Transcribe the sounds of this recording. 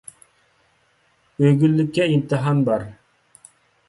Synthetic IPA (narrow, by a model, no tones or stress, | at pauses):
øɡʲylːykʲːɛimt̪ʰɨɦɑnbɑɾ